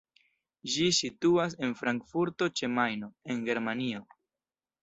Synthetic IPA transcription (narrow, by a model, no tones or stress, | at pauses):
d͡ʒisituas̬e̞nfɾaŋkfuɾto̞t͡ʃe̞majno̞e̞ŋɡe̞ɾmanio̞